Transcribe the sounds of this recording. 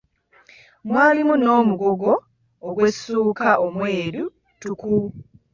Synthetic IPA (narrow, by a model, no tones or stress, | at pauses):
mwaːlimuno̞ːmuɡoɡo̞ː | ɡwesːuːkaʔomwe̞ːɾu | tuku